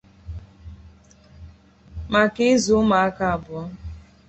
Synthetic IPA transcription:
ma˨kɪ˦zu˨˦ma˨a˦ka˦a˨bʊ˨ɔ˦

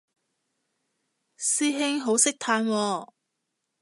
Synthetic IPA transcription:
siː˥ɦɪ˥ŋɦo˨˥wsɪ˥k̚t̪ʰaː˧nwɔː˧

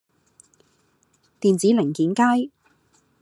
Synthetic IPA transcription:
t̪iː˨nt͡siː˨˥lɪ˨˩ŋkiː˨˥nkaː˥j

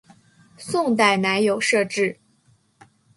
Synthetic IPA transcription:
sʊ˥˧ŋt̪̬a˥˩ɪna˧˥ɪjo˨˩ʊʂɤ˥˧ʈ͡ʂɻ̩˥˩

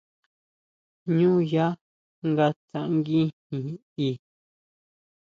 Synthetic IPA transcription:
ɲũ˦˨ja˦ | ŋɡa˧t̪ã˨ʔŋɡi˦nĩ˨ | i˧˨

